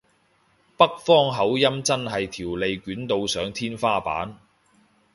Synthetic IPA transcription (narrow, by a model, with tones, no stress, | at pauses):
pɐ˥k̚fɔː˥ŋɦɐ˨˥wjɐ˥mt͡sɐ˥nɦɐ˨jt̪ʰiː˨˩wle˨˧jkyː˨˥nt̪o˧wsœː˨˥ŋt̪ʰiː˥nfaː˥pa̰ː˨˥n